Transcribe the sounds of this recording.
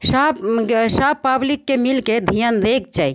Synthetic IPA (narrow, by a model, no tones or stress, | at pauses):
sabsabpːablikːemilked̪ʱijənd̪ek̚t͡ʃai